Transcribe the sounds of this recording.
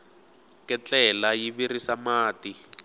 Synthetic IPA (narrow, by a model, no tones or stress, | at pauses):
kɛt͡ɬɛlajiβirisamaːti